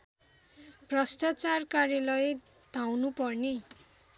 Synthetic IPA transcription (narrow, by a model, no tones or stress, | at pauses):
prʌst̪at͡sarkarjalʌjed̪̥ʱawnupʌrni